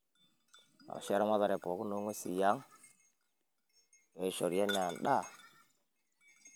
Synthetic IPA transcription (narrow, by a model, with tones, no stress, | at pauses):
a̰˨ʃe˦ɾa˦ma˦ða˨ɾe˨po˨ku˦no˦ŋwe˦sḭ˨ja˦ŋ | we˨˦ʃo˨ɾi˨ja˦na˨n˨ɗa˦˨